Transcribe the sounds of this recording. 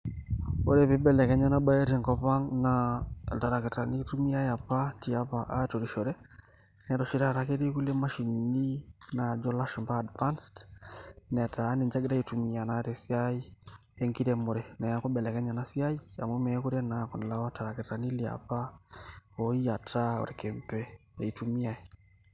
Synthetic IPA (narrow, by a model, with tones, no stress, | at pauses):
o̰˦ɾɛ˨pe˦bɛ˨lɛ˨kɛ˦ɲa˦na˦ba˦je˦ɾɛ˨ŋkɔ˦pa˦ŋnata˨ɾa˨ke˨ta˨ni˦tu˦mi˦a˦ja˨pa˦ti˨a˦pa˨ʔato˨ɾiʃɔ˨ɾɛ˦ | nɛ˨˦ɾɔ˨ʃi˦ɾa˦˨ɾa˨ke˦ɾi˦ku˦le˦ma˦ʃi˨nni˦na˨d͡ʒɔ˦la˦ʃu˨mbaː˦˨dva˦nst | nɛ˨ta˨˦ni˨ɲd͡ʒa˦ɡda˦i˨tu˨mi˨a˨na˦ɾɛ˨si˦ai˦ | ɛ˦ŋki˦ɾɛ˨mo˨ɾɛnɛ˨ja˨kɔ˦bɛ˨lɛ˨kɛ˦ɲa˨na˦si˦a˦i˦a̰˨mɔ˦mɛ˨˦ku˦ɾɛ˦na˨kɔ˨n˨la˨wa˦ta˨ɾa˨kɛ˨ta˨ni˦li˨a̰pa˦ | oi˦ja˨ta˦ɔ̰˨ɾɛkɛ˨mpɛ̰ː˦˨itu˨mi˦a˨i˨